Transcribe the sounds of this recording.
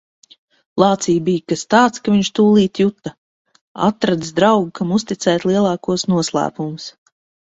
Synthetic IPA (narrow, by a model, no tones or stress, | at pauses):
lˠɑːt̪siːbijkast̪aːt̪skaviɲʃt̪uːlˠiːt̪jut̪a | a̰t̪ɾad̪isd̪ɾawɡukʰamust̪it̪sɛːt̪lˠiɛlˠɑːkuɔsnuɔslˠæ̰ːpumus